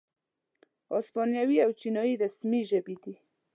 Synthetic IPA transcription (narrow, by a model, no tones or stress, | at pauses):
ɑsmɑnjawiawt͡ʃinɔjiɾasmiʒəbed̪i